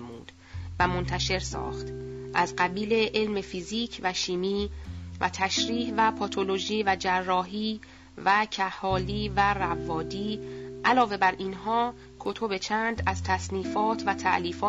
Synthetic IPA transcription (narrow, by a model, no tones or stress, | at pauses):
muːd̪̥ | væmo̞nt̪ʰæʃe̞ɾsɒ̰ːxt̪ʔæzɢæbiːle̞ʔelme̞fiziːcʰvæʃiːmiːvæ̰t̪ʰæʃɾiːhvæpʰɒt̪ʰoloʒiːvæd͡ʒærːɒːɦiː | væcʰæhɒːliːværævɒːd̪iːʔælɒːve̞bæɾinɦɒː | kʰot̪ʰobe̞t͡ʃʰænd̪æz̥t̪ʰæsniːfɒːt̪ʰvæt̪ʰæʔliːfɒː